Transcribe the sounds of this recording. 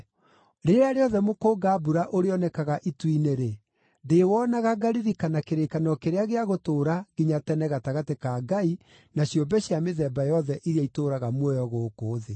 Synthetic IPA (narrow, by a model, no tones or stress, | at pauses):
ɾeɾeeaɾeɔðɛmokoːɡabuɾaʔoɾeɔnɛkaɣaʔitwineɾe | dewɔnaɣaɡaɾiɾikanakeɾekanɔkeɾeaɣeaɣotoːɾaɡ̥iɲatɛnɛɣataɣatekaɡai | naɕjombɛɕjameðɛbajɔðɛʔiɾjaitoːɾaɣamwɔjɔɣoːkoːðe